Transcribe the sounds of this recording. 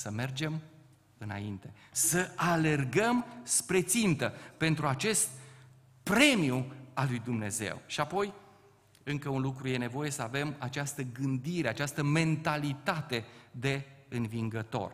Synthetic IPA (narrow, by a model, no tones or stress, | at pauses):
səme̞rd͡ʒem | ɨna̰int̪e̞ | səʔale̞rɡəmspɾe̞t̪sint̪əpe̞nt̪ɾuat͡ʃe̞st̪̚ | pɾe̞mijualujd̪umne̞ze̞̰wʃiapo̞j | ɨŋkəunlukɾuje̞ne̞vo̞je̞səave̞mat͡ʃast̪əɡɨnd̪iɾe̞at͡ʃast̪əme̞nt̪alit̪at̪e̞d̪e̞ɨnviŋɡət̪o̞̰r